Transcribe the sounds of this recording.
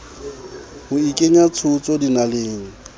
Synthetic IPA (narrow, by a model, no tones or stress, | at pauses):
hʊikʼeɲat͡sʰʊt͡sʼɔdinaleːŋ̩